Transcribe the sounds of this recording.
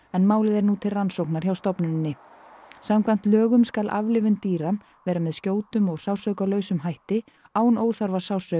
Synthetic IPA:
ɛnmaːwlɪðɛɾnut̪ʰɪlransowknaɾ̥çawst̪ɔpnʏnnːɪ | samkʰvajn̥t̪lœːɣʏmskalʔa̰vlɪvʏnt̪iːɾa | vɛːɾamɛðscoːwt̪ʏmɔɣsawsœːkalœːɥsʏmɦajht̪ɪ | aːwnoːwθaɾvasaːwsœ

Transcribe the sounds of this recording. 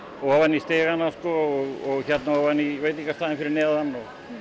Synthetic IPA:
ɔɣɔvanːist̪eːɣanːaskɔːɣɔɣçɛt̪naɔvanːivejt̪ɪicːast̪aːðɪnfɪɾɪɾnɛːaðanːɔɣ

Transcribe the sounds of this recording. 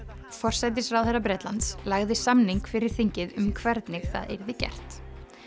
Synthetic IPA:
fɔr̥sajt̪̬ɪsrawɛrapɾɛːt̪lant̪slaɣðɪsamniŋkfɪɾɪɾ̥θiɲcɪðʏmkʰvɛɾt̪nɪɣθa̰ðḛjɾðɪcɛ̰r̥t̪

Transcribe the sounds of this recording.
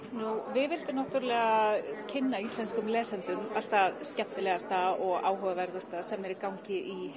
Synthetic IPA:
nuvɪðvɪlt̪ɪnaht̪yɾalɛɣacʰɪnːaist̪lɛnskʏmlɛːsɛnt̪ʏmal̥t̪ascap̚t̪ɪlɛɣast̪aɔɣa̰ːwɦœvavɛɾðast̪asɛmːɛɾɪɾkawɲcɪʔi

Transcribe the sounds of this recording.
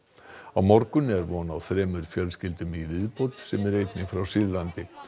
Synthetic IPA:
awmɔɾkʏnːɪɛɾvɔːnawθɾɛːmʏɾ̥fjœlscɪlt̪ʏmilɪðpɔwt̪sɛmɛɾejt̪nɪŋfɾawsɪðlant̪ɪ

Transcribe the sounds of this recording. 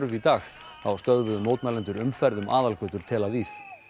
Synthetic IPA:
ɾʏvit̪aːx | θawst̪œðvʏðʏmːoːwt̪mɛlɛnt̪ʏɾʏmfɛɾðʏmʔaːðalkœt̪ʏɾ̥t̪ʰɛːlaviθ

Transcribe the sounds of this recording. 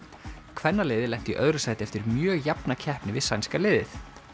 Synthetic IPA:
kʰvɛnːalɛːðɪlɛm̥t̪iʔœðɾʏsaːjt̪ɪɛft̪ɪɾmjœːɣjapnacʰɛhpnɪvɪðsajnskalɪːðɪθ

